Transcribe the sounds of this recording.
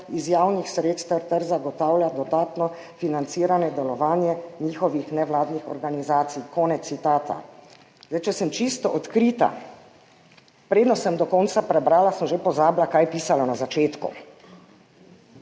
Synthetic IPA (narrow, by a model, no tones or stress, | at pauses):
izjawnixsɾeːt̪st̪ɛɾt̪ɛɾzaɡɔt̪aːwlʲjad̪ɔd̪aːt̪nɔ | finant̪siːɾanɛd̪ɛlɔʋaːnjɛɲiːxɔʋixnɛʋlaːd̪nixɔ̰ɾɡanizaːt̪sijkɔːnɛːit̪aːt̪a̰ | zdajt͡ʃɛsəmt͡ʃist̪ɔʔɔt̪kɾiːt̪a̰ | pɾeːd̪nɔsəmd̪ɔkɔnt̪sapɾɛbɾaːlasəmʒepɔzaːblakajpiːsalanazat͡ʃeːt̪kṵ